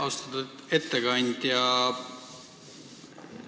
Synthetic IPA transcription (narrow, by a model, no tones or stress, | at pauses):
ɑst̪ɑt̪uet̪ːeɡɑnʲd̪̥ʲjɑ